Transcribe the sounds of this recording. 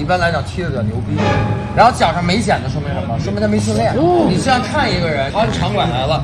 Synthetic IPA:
i˥pa˥nla˧˥ɪt͡ɕjɑ˨˩ŋt͡ɕʰi˥ə˨˧˩njo˧˥ʊpi˥˩˥ɻa˧˥nxo˥˩ʊt͡ɕjɑ˨˩ʊʂɑ˥˩ŋme˧˥ɪɕjɛ˨˩nd̪ə˦ʂ̬wə˥m˧˥˩ə˧˥mə˧ʂə˧˥mʰ˧˥˧me˥ɕ̬i˥˧ljɛ˥˩nni˨˩i˥ɑ˥ŋkʰa˥˩ni˧˥ɡə˧ɻə˧˥n˥˩ʈ͡ʂʰɑ˧˥ŋkwa˨˩nla˧˥ɪlə˧

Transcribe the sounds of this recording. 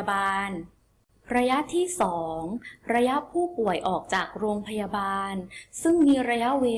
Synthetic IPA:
baː˧n | ɾa˧ja˦˥ʔt̪ʰiː˥˩sɔː˩˦˩ŋɾa˧ja˦˥ʔpʰuː˥˩pu˨˩əjʔɔː˨˩k̚t͡ɕaː˨˩k̚ɾoː˧ŋpʰa˧jaː˧baː˧nsɯ˥˩ŋmiː˧ɾa˧ja˦˥weː˧

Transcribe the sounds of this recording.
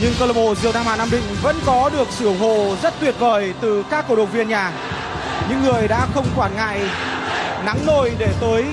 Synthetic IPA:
ɲɨ˧ŋt̪əː˧lə˧˩ɓo˧˩zɨ˨əwt̪aː˧ma̰ː˧˨naː˧mɗï˧˨ŋ̟və̰˧˥nkɔ˨˦ɗɨ˨˩ək̚sɨ˧˩ə˩wɦo̰˧˨zə˦˥t̚t̪wi˨˩ət̚vəː˨˩jt̪ɨ˨˩kaː˦˥kːə̰˧˩ɗə̰˧˨ŋ͡mvi˧ənɲaː˨˩ | ɲɨ̰˧˥ŋːɨ˨˩əjɗa̰ː˧˥xə˧wŋ͡mkwaː˧˩nŋa̰ː˧˨j | na̰˧˥ŋno˧˩jɗe˧˩t̪əː˨˦j

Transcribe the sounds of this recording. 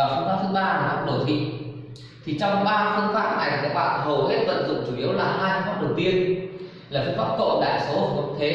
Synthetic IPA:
aː˨˩fə˧ŋkaː˦˥t̪ʰɓaː˧laː˨˩faː˦˥ɗo˨˧˩t̪ʰḭ˧˨ŋ | t̪ʰi˨˩t͡ɕɔ˧wŋ͡mɓaː˧fŋkaː˦˥p̚ːaː˦˥kʔa˨˩ŋʰː˨˩kaː˦˥k̚ɓa̰ː˧˨nɦə˨˩wɦe˦˥t̚və̰˧˨nzʊ̰˧˨ŋ͡mt͡ɕu˧˩ʔi˨˦əwlaː˨˩ɦaː˧jfə˧faː˦˥p̚ɗə˨˩wt̪i˧ən | laː˨˩fə˧˦faː˦˥p̚ko̰˧˨ɗa̰ː˧˨jso˨˦ə˨˩kːt̪ʰe˨˦

